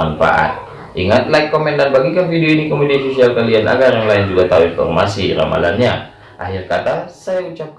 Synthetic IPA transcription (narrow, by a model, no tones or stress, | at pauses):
anfa̰ʔa̰t̪̚ | iŋat̪̚lajkːomɛndanbaɡikanfideoinikomediasosialkalianʔa̰ɡarjaŋlaɪnd͡ʒuɡat̪auinfɔ̰rmasiɾa̰ma̰la̰nɲa | ʔaɦɪrkat̪asajaut͡ʃap̚k